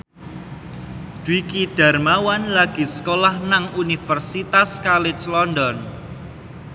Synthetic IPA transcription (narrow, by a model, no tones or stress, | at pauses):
d̥wikiɖ̪̥a̤rmawanlaɡ̥i̤sə̥kolahnaŋunifərsit̪askalɪt͡ʃlɔndɔn